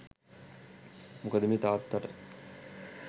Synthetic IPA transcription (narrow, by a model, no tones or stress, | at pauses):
mukɐd̪imit̪aːt̪ːɐʈə